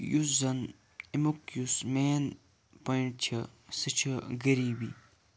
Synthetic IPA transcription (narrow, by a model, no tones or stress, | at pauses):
jusɐn | imukjusmeːn | pɐiɳʈ̚t͡ɕʰɐsɨt͡ɕʰɐɡɐɾiːbi